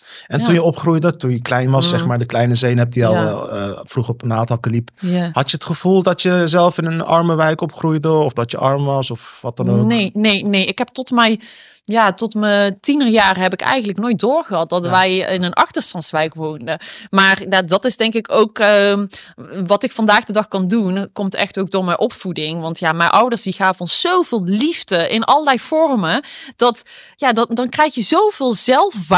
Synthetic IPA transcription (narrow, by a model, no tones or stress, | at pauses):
ɛntunjəɔpχrujdətunjəklɛjnʋɑsːɛχmaːɹdəklɛjnəzejnɦɛp̚diɑlˠɛlˠəfruχəɔpənaːtɑlˠkəliphɑtjəətχəv̥ulˠdɑtjəzɛlˠfɪnənɑ̰ɹməʋɛjkɔpχrujdəɔfdɑtjəʔɑɹmʋɑsɔfʋɑt̚ɑnonejnejnejɪkɦɛp̚tɔtmɛj | jaːtɔtmətinərjaːrɦɛpɪkɛ̰jxəntləknoːjt̚dʊːrɣəɦɑt̚dɑtʋɛjɪnənʔɑ̰xtəɹstɑntsʋɛjkʋownəmaːrjadɑtɪzdɛŋkɪkowkəmʋɑtɪkfɑndaːɣdədɑχkɑndunkɔmtɛ̰xtowɡ̚doːɹmɛjnʔɔpfudɪŋʋɑntjaːmɛjnʔʌwdəɹsdiɣaːvɔnz̥owvɪːlˠlivdəʔɪnʔɑ̰lˠəlɛjfɔrməd̥ɑt | jaːddɑnkrɛjxjəzowvɪːlˠzɛlˠfʋ